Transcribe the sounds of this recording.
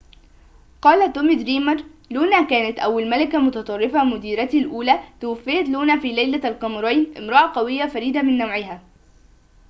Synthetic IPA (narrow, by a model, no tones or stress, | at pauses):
qɑːlat̪ːomɪd̪ɾiːmɑɾˤluːnaːkaːnat̪ʔawːalmalɪkamʊt̪ɑt̪ˤɑrˤːɪfamʊd̪iːɾat̪lʔuːlaːt̪ʊwafːɪjat̪luːnaːfiːlajlalqɑmɾˤɑjnʔɪmɾˤɑːʕɑqɑwɪjːafaɾiːd̪amɪnːawʕɪɦaː